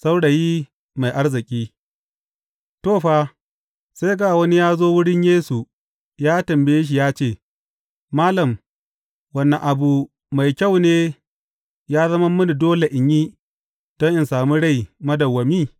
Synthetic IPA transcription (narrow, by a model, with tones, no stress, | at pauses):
sa˦wɽa˨ji˦ | ma˨jʔa˦rzɪ˨kʲʼiː˦ | toː˦˨ɸaː˦ | sa˦jɡaː˦˨wɐ˦ni˦jaː˦zoː˦wʊ˦ɽɪ˦ɲjeː˦su˨ | jaː˦tɐ˨mbe˦e˦ʃ̬i˨jaː˦t͡ʃeː˦˨ | maː˦lɐ˨m | wɐ˨nːɐ˨ʔa˨bu˨ | ma˨jkʲa˦˨wneː˦ | jaː˦zɐ˦mɐ˦mːʊ˦ni˨doː˦le˨ʔɪ˨ɲjiː˦ | d̥ɔ˦ʔɪ˨nsaː˨mu˦ɽa˦˨jmɐ˦dɐ˨wːɐ˨miː˦˨